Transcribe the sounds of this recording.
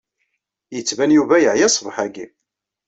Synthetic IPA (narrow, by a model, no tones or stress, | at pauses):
jət͡sːvænjuvæjəʕjæsˤvħæɡi